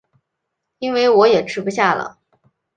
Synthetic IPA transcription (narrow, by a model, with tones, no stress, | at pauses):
i˥nwe˥˩ɪwɔ˧˥jɛ˨˩ʈ͡ʂʰɻ̩˥pu˧ɕja˥˩lə̰˩